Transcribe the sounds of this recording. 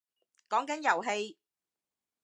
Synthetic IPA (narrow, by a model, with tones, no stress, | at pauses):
kɔː˨˥ŋkɐ˨˥njɐ˨˩wɦe˧j